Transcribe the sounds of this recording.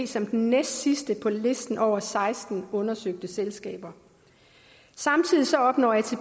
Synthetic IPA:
sɒ̽md̥enːesd̥sisd̥əpʰɒ̽le̝sd̥n̩ʔɒʊ̰ɐsɑ̈ɪsd̥n̩ɔ̽nɐsøɡ̥̚d̥əselsɡ̥ɛ̰ːb̥ɐ | sɑ̈mt͡sʰið̞̰ˠisɒ̽ɒ̽b̥nɒ̰ːjɑ̈t͡sʰe̝

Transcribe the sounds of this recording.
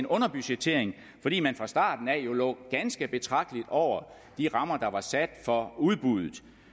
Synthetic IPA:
nɔ̽nɐb̥yɕe̥t͡sʰe̝ɐ̰eŋ | fɒ̽d̥ḭːmænfʁɑ̈sd̥ɑ̰̈ːd̥n̩ɛjo̝lɔ̰ːɡ̥ænsɡ̥əb̥e̝t͡sʰʁɑ̈ɡ̥̚d̥lid̥ɒʊ̰ɐ | d̥iʁɑ̈mɐd̥ɑ̈ʋɑ̈sæd̥fɒ̽uð̞ˠb̥uð̞ˠð̩ˠ

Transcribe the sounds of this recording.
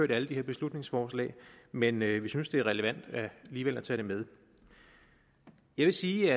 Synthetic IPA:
ø̰ɐɾ̥æləd̥iheɐb̥e̝slud̥ne̝ŋsfɒːslɛ̰ːɪmenøʋisynsd̥e̝æʁɛləʋæn̰d̥æliːʋel̰æt͡sʰɛ̰ːɾ̥emeð̞ˠ | jɑ̈ɪʋe̝siːæ

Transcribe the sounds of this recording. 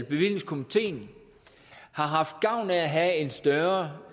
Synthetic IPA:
lb̥e̝ʋḭl̰je̝ŋskʰo̝mit͡sʰe̝̰ːn | hɑ̈ɦɑ̈fd̥̚ɡ̥ɑ̈ʊ̰nææɦæe̝nsd̥ɶɐ

